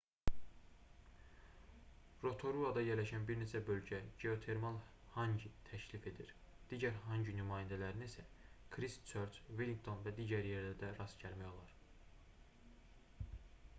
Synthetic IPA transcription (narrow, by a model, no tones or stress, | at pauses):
ɾo̞t̪ʰo̞ɾuɑd̪ɑjeɾlæʃænbiɾnet͡ʃʰæbø̞lɟæɟe̞o̞t̪ʰe̞ɾmɑlˠ | hɑɲɟit̪ʰæcʰlife̞d̪iɾ | d̪̥iːɟæɾɦɑɲɟinymɑːjænd̪ælæɾinisækʰɾist͡ʃʰøɾt͡ʃvilʲiŋkt̪ʰo̞nvæd̪iːɟæɾjeɾd̪æd̪æɾɑsɟʰæɾmæjo̞lˠɑɾ